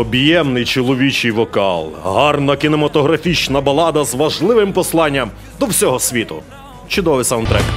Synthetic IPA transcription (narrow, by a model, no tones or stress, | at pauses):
ɔbjɛmnɪjt͡ʃɔlˠɔʋʲit͡ʃɪjʋɔkɑ̰lˠɦɑrnɐkʲinemɐt̪ɔɦɾɐfʲit͡ʃnɐbɐlˠɑd̪ɐzʋɐʒlˠɪʋɪmpɔslˠɑnʲːɐm | d̪ɔwsʲɔɦɔsʲʋʲit̪ʊ̰ | t͡ʃʊd̪ɔʋɪsɐwnt̪ɾɛk